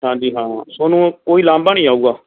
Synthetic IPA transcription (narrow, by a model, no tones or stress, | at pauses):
ɦãːd͡ʒiːɦãːsoːnũːkoːiːlãːmbaːnĩːaːuːɡaː